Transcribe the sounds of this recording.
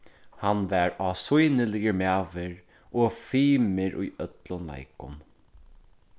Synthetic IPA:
hanvæɹaːsʊjnəlɪjəmaːʋɪɹ | oːfiːmɪɹʔṵjœt̪lʊnla̰ɪkʊ̰n

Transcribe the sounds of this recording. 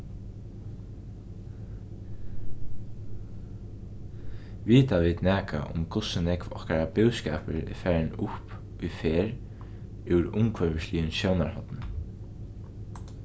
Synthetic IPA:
ʋiːt̪aʋiːt̪nɛːka̰ʔʊ̰mkʊsɪnɛkvɔ̰hkaɾapɪwskɛːpəɾɪ̰fæːɹɪnʊhp | ijfeːɾ | uwɾʊŋkʰvœvɪʃliːʏnʃjownaɹhɔt̪nɪ

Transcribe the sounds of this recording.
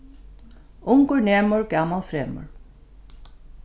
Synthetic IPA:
uŋkʏɹnɛːmʏɾkaːmalfɾɛːmʏ̰ɹ̥

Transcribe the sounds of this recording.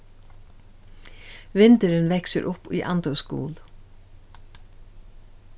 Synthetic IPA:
ʋɪnt̪əɾɪnʋɛksəɾʔʊpḭʔa̰nt̪œwskṵːl

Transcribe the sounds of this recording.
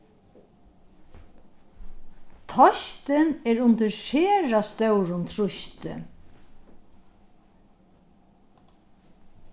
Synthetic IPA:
t̪ʰɔʃt̪ɪnɛɹʊnt̪əɾʃeːɹast̪œwɹʊnt̪ʰɾʊʃt̪ɪ̰

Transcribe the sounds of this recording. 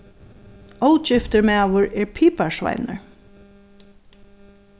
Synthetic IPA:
owt͡ʃɪft̪əɹmæːʋʊɹɛɹpʰiːpaɹsva̰jnə̰ɹ

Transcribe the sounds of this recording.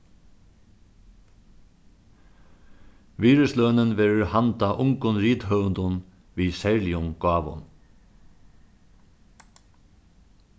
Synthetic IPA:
ʋiːɹəsløːnənʋɛːɾəʊɹhant̪aʔʊŋkʊnɾiːt̪hœʋənd̪ʊn | ʋiːsɛɹlɪʊŋɡɑːʋʊ̰n

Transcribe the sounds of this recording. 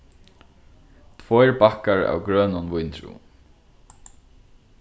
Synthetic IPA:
t̪ʰvɔjɹbahkaɹa̰wɡɹœːnʊnʋʊjnt̪ʰɾṵː

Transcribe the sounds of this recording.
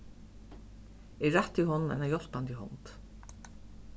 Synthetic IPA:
ɛɹaht̪iɦɔnna̰jnajɔl̥pant̪iɦɔ̰nt̪

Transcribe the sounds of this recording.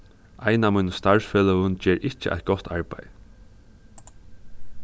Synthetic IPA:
ʔajnamujnəst̪aɹsfɛːlɔʊnd͡ʒɛːɹʔɪt͡ʃə̰ʔa̰jt̪̚ɡ̥ɔt̪ʰaɹba̰j

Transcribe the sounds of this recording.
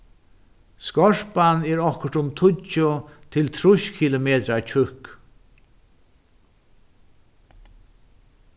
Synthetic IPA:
skɔʂpanɛːɹɔhkʊɾ̥t̪ʊmt̪ʰʊt͡ʃʊt̪ʰɪlt̪ʰɾʊʃkʰilʊmeːt̪ɾat͡ʃʰʏhk

